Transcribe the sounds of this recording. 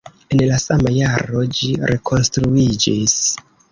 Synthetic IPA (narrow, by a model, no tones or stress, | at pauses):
e̞nlasamajaɾo̞d͡ʒiɾe̞kʰo̞nstɾuid͡ʒis